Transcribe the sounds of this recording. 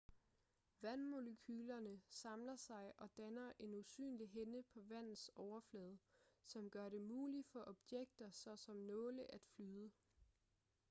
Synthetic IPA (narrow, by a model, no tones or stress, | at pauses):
ʋænmo̝ləkʰyːlɐnəsɑ̈mlɐsɑ̈ɪʔɒ̽d̥ænɐʔe̝nusy̰ːnliɦenəpʰɒ̽ʋæn̰ð̩ˠsɒʊɐflɛːð̞̩ˠsɒ̽mɡ̥ɶɐɾe̝muːlifɒ̽ʔɒ̽b̥jeɡ̥̚d̥ɐsɒ̽sɒ̽mnɔ̽ːləʔæd̥flyːðˠə